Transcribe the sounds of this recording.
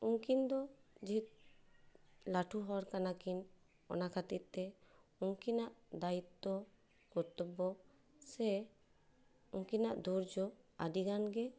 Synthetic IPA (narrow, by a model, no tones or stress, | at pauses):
uŋkind̪ɔd͡ʒit̪̚ | laʈʰuɦɔɾkanakin | ɔ̰nakʰat̪it̪̚t̪ɛuŋkinaʔd̪ait̪ːɔ | kɔɾt̪upːɔ | sɛ | uŋkinaʔd̪ʱuɾd͡ʒɔa̰diɡanɡɛ